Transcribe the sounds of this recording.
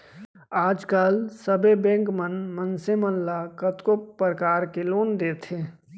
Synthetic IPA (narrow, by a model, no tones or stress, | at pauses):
aːd͡ʒkalsəbebɛ̃ːŋkmənmənsemənlakət̪kopəɾəkaːɾkeloːnd̪eːt̪ʰeː